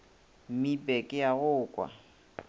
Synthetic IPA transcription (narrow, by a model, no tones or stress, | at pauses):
m̩mipʼɛkʼɪjaɣʊːkʼwa̰